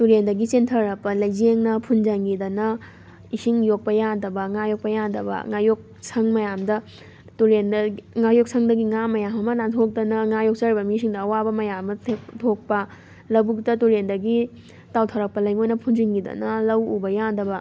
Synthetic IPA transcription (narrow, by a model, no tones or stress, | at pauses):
tuɾendɐɡit͡ʃentʰɐɾɐk̚pɐlɐjzeŋnɐpʰund͡ʒɐŋɡidɐnɐ | isiŋjok̚pɐjandɐbɐŋajok̚pɐjandɐbɐ̰ŋajok̚ | sʰɐŋmɐjamdɐ | tuɾenŋajok̚sʰɐŋdɐɡiŋamɐjamɐmɐnantʰok̚tɐnɐŋajok̚t͡ʃɐɾibɐmis̬iŋdɐːwabɐmɐjamːɐtʰtʰok̚pɐ | lɐbuktɐtuɾendɐɡi | tawtʰɐɾɐk̚pɐlɐjŋojnɐpʰunziŋɡidɐ̰nɐlɐwubɐjandɐbɐ